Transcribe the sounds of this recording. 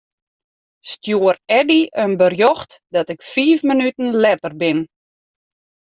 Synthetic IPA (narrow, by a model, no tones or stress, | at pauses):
stjouːərɛdiʔənbərjɔxtdɔtɪkfiːfmənytən̩lɛtərbɪn